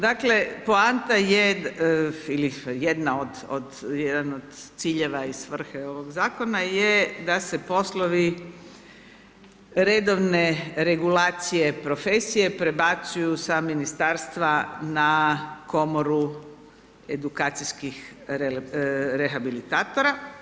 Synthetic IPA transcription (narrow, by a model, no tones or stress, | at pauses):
d̪akle̞poant̪aje | ilijed̪naod̪o̰d̪jed̪anod̪t̪siːʎe̞ʋaisʋr̩xeo̞ʋo̞ɡzaːko̞najed̪ase̞po̞sloʋi | ɾed̪o̞ʋneɾe̞ɡulaːt̪sije̞pɾo̞fesije̞pɾe̞bat̪sujusaminist̪aɾst̪ʋanako̞moɾu | e̞d̪ukaːt̪sijskixeɾexabilit̪aːt̪oɾa